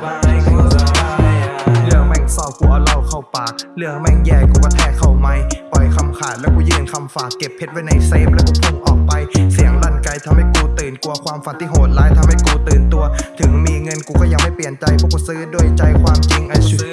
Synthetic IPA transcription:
wa˧˥˩a˧˩kuː˧˩sa˨˦a˧lɯ˥˧˩əŋmɛ˧˩ŋsɔː˧˩p̚kuː˧˩ʔa˧wla˧˩wkʰa˧˩wpaː˨˩k̚lɯ˧˥˩əŋ̚mɛ˧˩ŋjɛː˧˩kuː˧˩kɔː˥˩t̪ʰɛː˨˦kʰa˧˩wma˧˩jpɔ˨˩jkʰa˧mkʰaː˨˩t̪̚lɛː˦˥wkuː˧˩jɯː˧nkʰa˧mfaː˨˩kːe˨˩p̚ʰhe˦˥t̪̚wa˦˥˩jna˧jseː˧˥p̚lɛː˦˥˩wkɔː˧˩pʰo˧˥˩ŋ̚ʔɔː˨˩k̚pa˧jsi˨˦əŋlaː˧˩nka˧jt̪ʰa˧mha˥˩jkuː˧t̪ɯː˨˩nku˧ɐkʰwaː˧mfa˨˦nt̪ʰi˧˩˨ɦoː˨˦t̪̚laː˧˥jt̪ʰa˧mha˥˩jkuː˧t̪ɯː˨˩nt̪u˧ɐt̪ʰɯ˨˦ŋmiː˧ŋɤ˧nkuː˧˩kɔː˥˩ja˧ŋma˥˩jpli˨˩ənt͡ɕa˧jpʰɔː˧˩kɔː˧˩sɯː˦˥du˥˩əjt͡ɕa˧jkʰwaː˧mt͡ɕi˧ŋʔa˧jʰ

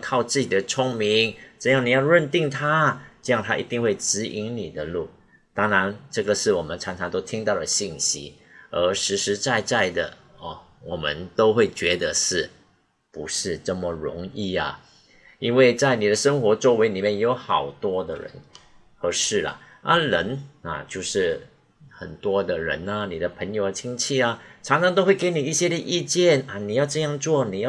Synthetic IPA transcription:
kʰɑ˥˧ʊt͡sɹ̩˥˩t͡ɕi˨˩d̪ə˦t͡sʰʊ˥ŋmi˧˥ŋʈ͡ʂɤ˥˧jɑ˥˩ŋni˨˩jɑ˥˧ʊɻə˥˧nt̪i˥˧ŋt̪ʰa˥ʈ͡ʂɤ˥˧jɑ˥˩ŋt̪ʰa˥ʔḭ˧˥t̪i˥˧ŋxwe˥˩ɪʈ͡ʂɻ̩˧˥ʔi˧˥nni˨˩d̪ə˦lu˥˩ | t̪ɑ˥ŋɻa˧˥nʈ͡ʂɤ˥˩ɡə˩ʂɻ̩˥˩wɔ˨˩mə˦nt͡sʰɑ˧˥ŋʈ͡ʂʰɑ˧˥ŋt̪o˥ʊt̪ʰi˥ŋt̪ɑ˥˩ʊdə˩ɕi˥˩nɕḭ˥ | ə˧˥ʂɻ̩˧˥ʂɻ̩˧˥t͡sa˥˧ɪt͡sa˥˩ɪd̪ə̰˩ə˧˩ | wɔ˨˩mə̰˦nt̪o˥ʊxwe˥˩ɪt͡ɕɥɛ˧˥d̪ə˧˦ʂɻ̩˥˩ | pu˧˥ʂɻ̩˥˧ʈ͡ʂə˥˩mə˩ɻʊ̰˧˥ŋi˥˩ɐ̰˨˩ | i˥nwe˥˧ɪt͡sa˥˩ɪni˨˩ɾə˦ʂə˥ŋxwɔ˧˥t͡swɔ˥˩we˧˥ɪli˨˩mjɛ˥˩njo˧˥ʊxɑ˨˩ʊt̪wɔ˥d̪ə̰˨ɻə̰˧˦n | xə˧˥ʂɻ̩˥˩lə̰˩ | ʔa̰˥lə˧˥nɐ̰˨t͡ɕjo˥˧ʊʂɻ̩˥˩ | xə̰˨˩nt̪wɔ˥d̪ə˨ɻə̰˧˥nɐ˧ni˨˩də˦pʰə˧˥ŋjo˧˥ə˧t͡ɕʰi˥ŋt͡ɕʰi˥˩ɐ˧ʈ͡ʂʰɑ˧˥ŋʂɑ˧˥ŋt̪o˥ʊxwe˥˩ɪke˥ɪni˨˩i˥˩ɕjɛ˥d̪ə˨ʔi˥˧t͡ɕjɛ˥˩nɐ˨˩ni˨˩jɑ˥˧ʊʈ͡ʂɤ˥˧jɑ˥˧ŋt͡swɔ˥˩ni˨˩jɑ˥˧˩

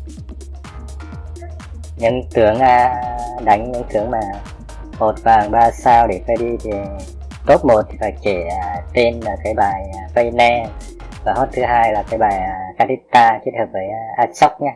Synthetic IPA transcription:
ɲɨ̰˧˥ŋt̪ɨ˨˦əŋə˧ɗa˨˦jŋ̟ɲɨ̰˧˥ŋt̪ɨ˨˦əŋmaː˨˩ | mo˨˩t̚vaː˨˩ŋɓaː˧saː˧wɗe˧˩fa˧jɗi˧t̪ʰi˨˩ | t̪o˦˥t̚mo˨˩t̚t̪ʰi̥˨˩faː˧˩jke˧˩a˧˩t̪e˧nəː˧˩kaː˨˦jɓaː˨˩jfə˧jnɛ˧ | vaː˨˩ho˦˥t̚t̪ʰɨ˨˦ɦaː˧jlaː˨˩kaː˨˦jɓaː˨˩ja˨˩kaː˧t̪i˦˥t̪aː˧kt̚həː˨˩p̚vəː˨˦jʔaː˧t͡ɕɔ˦˥wk͡p̚ɲaː˧

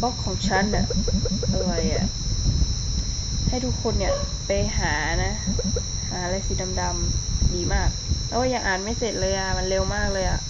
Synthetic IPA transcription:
bɔ˧˥˩kʰːɔː˩˦ŋt͡ɕʰa˦˥˨nːa̰˨˩ʔa˧lɔ˨˩ja˨˩ʔ | ha˥˩jt̪ʰu˦˥kʰːo˧nːi˧˩ɐ | pa˧jɦaː˩˦˧na˦˥ | haː˨˩˦a˧la˧jsi˨˧˦da˧mda˧mdiː˨˦maː˥˩k̚pʰɛː˧˩waː˧˩ja˧ŋʔaː˨˩nma˥˩jse˨˩t̪̚lɤː˧jʔa˧˩ma˧nle˧wmaː˥˩k̚lɤː˧jʔa̰˨˩ʔ

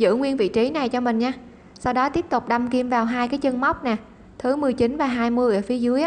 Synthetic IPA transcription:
zɨ̰˧˥ŋwi˧ənvḭ˧˨t͡ɕi˨˦na˨˩jt͡ɕɔ˧mï˨˩ŋ̟ɲaː˧ | sa˧wɗɔ˨˦t̪i˦˥əp̚t̪ʊ˨˩k͡p̚ɗa˧mki˧mvaː˨˩wɦaː˧jkaː˨˦jt͡ɕə˧ŋma˦˥wk͡p̚nɛː˨˩ | t̪ʰɨ˨˦mɨ˨˩əjt͡ɕi˨˦nvaː˨˩ɦaː˧jmɨ˧əjʔəː˧˩fi˨˦əzɨ˨˦əjʔ

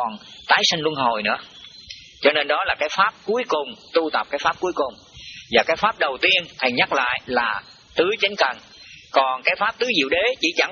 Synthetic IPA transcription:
ɔ˨˩nt̪aː˨˦jsi˧ŋ̟lu˧ənɦo˨˩jnɨ̰˧˥ə | t͡ɕɔ˧ne˧nɗɔ˨˦laː˨˩kaː˨˦jfaː˦˥p̚ku˨˦əjkʊ˨˩ŋ͡mt̪u˧t̪ə˨˩p̚kaː˨˦jfaː˦˥p̚ku˨˦əjkʊ˨˩ŋ͡m | vaː˨˩kaː˨˦jfaː˦˥p̚ɗə˨˩wt̪i˧ənt̪ʰə˨˩jɲa˦˥k̚la̰ː˧˨jlaː˨˩ | t̪ɨ˨˦t͡ɕe˨˦nkə˨˩n | kɔ˨˩nkaː˨˦jfaː˦˥p̚t̪ɨ˨˦zḭ˧˨əwɗe˨˦t͡ɕḭ˧˩t͡ɕa˧˩

